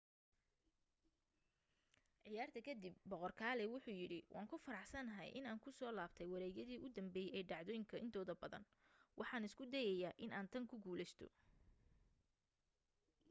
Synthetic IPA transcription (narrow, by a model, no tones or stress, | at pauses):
ʕɪjaːrt̪ʰɐkʰɐd̪ib̚bɔqɔrkʰaːlɛwʊħuːjɪɽɪwʔɑ̰ːŋkʰʊfɐɾɑħsɐnɐɦɛ̰jʔɪ̰naːŋkʰʊsɔːlaːbt̪ʰɛjwɑɾɛːjɐðiːʔʊd̪ɐmbɛːjɛɛːɖɑʕðɔːjɪŋkʰɐʔɪnt̪ʰɔːðɐbɐðɐ̰n | wʔɑħɑːnɪskʰʊd̪ɛjɛjaːʔɪnaːnt̪ʰɐŋkʰʊɡuːlɛst̪ʰɔ̰